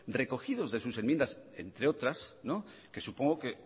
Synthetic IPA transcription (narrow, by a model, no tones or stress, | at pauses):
re̞ko̞xiðo̞zðe̞suse̞nmjend̪ase̞̰nt̪ɾeo̞t̪ɾasno | ke̞supo̞ŋɡoke